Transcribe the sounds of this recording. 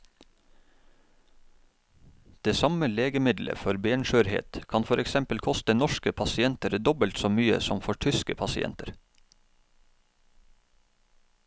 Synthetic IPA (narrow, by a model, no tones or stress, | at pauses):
d̪̥eːsɑməleːɡəmɪd̪lʔə̰fɔɾbeːɳʃøːɾhḛːt̪kʰɑnfɔɾʔɛksɛmpəlkʰɔst̪ənɔʃkəpʰɑsɪɛnt̪əɾd̪ɔbəlt̪soːmyːə̰sɔmfɔʈʰʏskəpʰɑsɪʔɛ̰nt̪əɾ